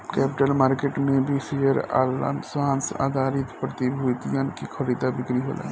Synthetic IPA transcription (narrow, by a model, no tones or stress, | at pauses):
kɛːpɪʈəlmaːɾkeʈmebʱisejəɾa̰lsaːnsa̰ːd̪ʱaɾit̪pɾət̪ibʱuit̪ijankikʰəɾid̪ʱabɪkɾiɦo̰ːlḛ̃